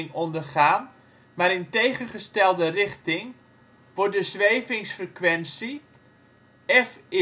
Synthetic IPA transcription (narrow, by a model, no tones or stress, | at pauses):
ŋɔndərχaːn | maɾɪntejχəχəstɛlˠdərɪχtɪŋ | ʋɔrt̚dəzʋejvɪŋsfrəkʋɛnsi | ɛfɪ